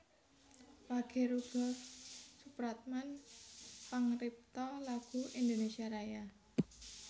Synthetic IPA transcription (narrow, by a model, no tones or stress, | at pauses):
waɡ̥ɛ̤ɾuɡ̥ɔ̤supɾat̪̚man | paŋrip̚t̪ɔlaɡ̥ṳʔind̪onesiaɾaja